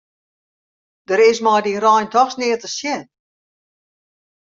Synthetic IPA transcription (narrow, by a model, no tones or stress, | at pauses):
d̥əɾɪsmɔjdirɔjntɔxsnɪːtəsjɛn